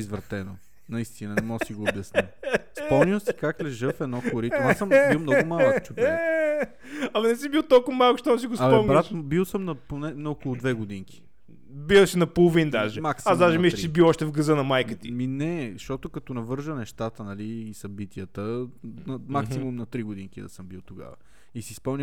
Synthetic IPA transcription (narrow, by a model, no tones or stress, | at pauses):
izvɾɐt̪ɛno | nɐist̪inɐnɛmɔɡsiɡoːbjɐsnispɔmniwˠsi̥kaklɛʒəfɛd̪nɔkʊɾiasəmbiwmnɔɡʊmalˠət͡ʃup | ɐmɐnɛsibiwˠt̪ɔlˠkʊvɐmalˠkʊʃt̪ɔnɐs̬iɡosɐmpɔmnbiɾatʃbilˠsəmnɐponɛnɐokolˠʊd̪vɛɡod̪iŋki̥ | biwˠʃinɐpolˠovind̪aʒɛmaksiazd̪aʒɛmiʃɾsibiwɔʃt̪ɛvɡɐzənɐmajkət̪iminɛʃt̪ɔt̪okɐt̪ɔnɐvɤɾʒənɛʃt̪at̪ənɐliːsɐbit̪iət̪ənɐmaksimumnɐt̪ɾiɡod̪iŋkid̪ɐ̰səmbilˠt̪oɡa̰və̰ | isiːspɤlˠni